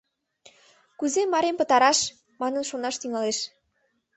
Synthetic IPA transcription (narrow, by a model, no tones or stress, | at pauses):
kuzemɑɾempə̆t̪ɑɾɑʃ | mɑnənʃonɑʃt̪yŋɑleʃ